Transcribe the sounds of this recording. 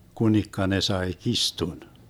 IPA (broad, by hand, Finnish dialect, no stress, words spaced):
kunikːɑ ne sɑe kistun